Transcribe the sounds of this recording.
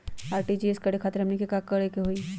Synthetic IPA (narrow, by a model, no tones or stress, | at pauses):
aːɾʈid͡ʒieskɐɽikʰaːt̪ɾɦɐmnikikakːəɽekeɦoi